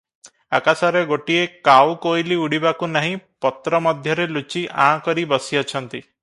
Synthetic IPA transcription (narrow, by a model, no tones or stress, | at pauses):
a̰kasaɾeɡoʈiekawkojliuɽibakunaɦĩpɔt̪ɾɔmɔd̪ʱjɔɾelut͡ʃiʔã̰kɔɾibɔsiɔt͡ʃʰɔnt̪i